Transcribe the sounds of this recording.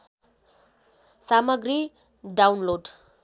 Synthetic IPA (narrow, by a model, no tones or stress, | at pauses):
samʌɡɾi | ɖawnloɖ